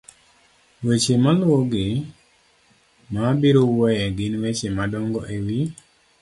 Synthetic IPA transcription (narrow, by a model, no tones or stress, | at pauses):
wet͡ʃemalwoɡɪ | mabiɾowwɔjɛɡɪnwet͡ʃemadɔŋɡɔʔewi